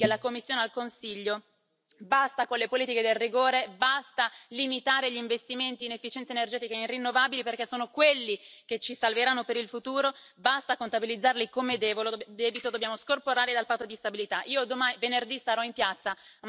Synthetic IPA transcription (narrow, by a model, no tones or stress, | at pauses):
elakomːisːjoːnealkonsiʎːo | bast̪akonlepoliːt̪iked̪elriɡoːɾebast̪alimit̪aːɾeʎiɱvest̪iment̪iːnefːit͡ʃɛnt̪senerd͡ʒɛːt̪ikainrinːovabiliperkesːoːnokwelːik̟et͡ʃːisalveɾanːopeɾilfut̪uːɾo | bast̪akont̪abilid̪zːarlikomed̪ɛːvold̪ɛːbit̪od̪obːjaːmoskorpoɾaːɾid̪alpat̪ːod̪ist̪abilit̪aʔiːod̪omavenerd̪isaɾɔimpjat̪sːa